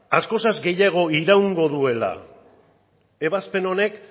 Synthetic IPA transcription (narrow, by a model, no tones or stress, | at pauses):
asko̞sazɡe̞jaɣ̞o̞iɾawŋɡo̞ðue̞la̰ | e̞βaspe̞no̞ne̞k